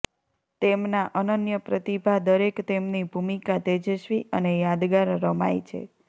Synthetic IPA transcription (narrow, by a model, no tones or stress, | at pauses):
t̪emnaʔənənjəpɾət̪ibʱad̪əɾekt̪emnibʱumikat̪ed͡ʒəʃʋiʔənejad̪ɡaɾːəmajt͡ʃʰḛ